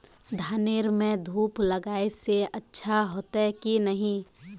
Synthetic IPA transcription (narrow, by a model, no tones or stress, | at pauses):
d̪ʱaːneːɾmẽd̪ʱuːplɐɡaːeseɐtːʃʰaɦoːt̪akinɐɦĩ